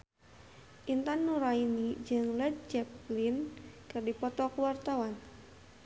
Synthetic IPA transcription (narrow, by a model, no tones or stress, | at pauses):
ʔint̪anːuɾainid͡ʒɨŋlɛd̪̚d͡ʒɛplinkɨrdipɔt̪ɔkuwart̪awan